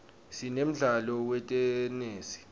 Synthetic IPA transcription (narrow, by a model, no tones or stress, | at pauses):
sinem̩ɮalɔwɛtʼɛneːsi̥